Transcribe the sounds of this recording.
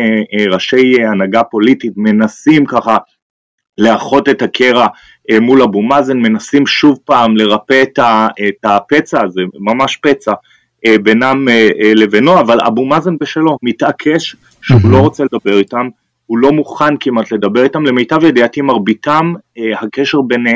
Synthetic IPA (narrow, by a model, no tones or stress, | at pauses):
ʁaʃe̞janaɡapo̞lititme̞nasimkaχa | leaχo̞te̞thakʰeʁa | emulabumazenme̞nasimʃuvpaːmle̞ʁapetaetapet͡sazemamaʃpet͡sa | ebenameeleveno̞avala̰bumazenbeʃelo̞mitʔakʰeʃ | ʃeulo̞ʁo̞t͡seled̪abe̞ʁitam | hulo̞muχankimat̪le̞d̪abe̞ʁitamlemejtavjed̪iat̪imaʁbitamhakeʃeʁbene